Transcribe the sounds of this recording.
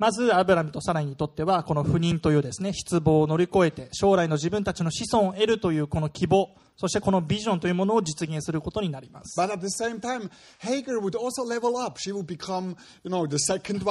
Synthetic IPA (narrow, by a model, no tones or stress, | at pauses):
mazɨabɯ̟ɾamɯ̟t̪o̞saɾaɲiɲ̟it̪o̞t̪ːe̞βako̞no̞ɸɯ̟ɲ̟ĩnt̪o̞jɯ̟ːd̪e̞sɨne̞ɕi̥t͡sɨbo̞ːno̞ɾʲiko̞e̞t̪e̞ɕo̞ːɾaino̞ʑibɯ̟̃nt̪at͡ɕino̞ɕisõ̞ɰ̃e̞ɾɯ̟t̪o̞jɯ̟ːko̞no̞kʲʰibo̞ː | soɕi̥t̪e̞ko̞nobʲiʑõ̞nt̪o̞jiɯmo̞no̞ːd͡ʑit͡sɨɡẽsɨɾɯ̟ko̞t̪o̞ɲ̟inaɾʲima̰sɨ̥b̥ʌɾæt̪̚ðɨsẽɪ̃mtʰãɪ̃m | heɪɡə˞wɨdɔlˠsoʊlɛvl̩ˠʌpʃiwɨd̚bikʰʌ̃m | jɨnoʊðɨsɛkə̃ndw